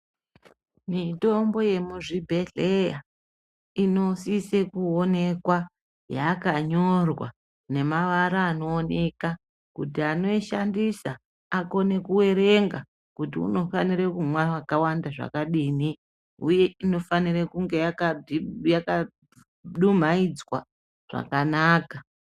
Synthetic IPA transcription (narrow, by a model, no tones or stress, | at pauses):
mito̞mbo̞je̞muʐibʱe̞ɮeja | ino̞sisekuone̞kwa | jakaɲo̞rwa̰ | ne̞maʋaɾaːno̞ːne̞ka | kutiano̞iʃandisa | ako̞ne̞kuwe̞ɾe̞ŋɡa | kutiṵno̞fanirekumwawakawandaʐa̰kaɗiːni | ṵje̞ino̞fanirekuŋɡe̞jakajaka | ɗum̤aid͡zwa̰ | ʐ̥a̰kanaːka